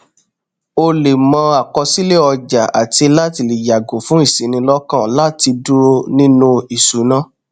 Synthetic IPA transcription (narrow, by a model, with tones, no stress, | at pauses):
o˧le˨mɔ̃˧˦a˨kɔ˧si˦le˦˨ɔ˧d͡ʒa˨a˨ti˧la˦ti˧˨li˨ja˨ɡo˨˦fũ˨˦i˦˨sĩ˨˦nĩ˧lɔ˦kã˦˨la˦ti˧du˦ɾo˧nĩ˦nũ˦i˨su˨˦nã˦